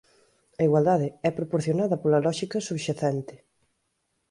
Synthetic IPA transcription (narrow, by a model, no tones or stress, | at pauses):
ɐiɣwald̪aðɪɛpɾopoɾθjonaðɐpolɐlɔʃikɐsuβʃaθɛnt̪ɪ̥